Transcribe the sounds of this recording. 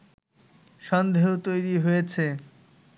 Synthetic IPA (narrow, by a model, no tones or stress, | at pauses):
ʃɔnd̪ʱeɦot̪ojɾiɦojet͡ɕʰe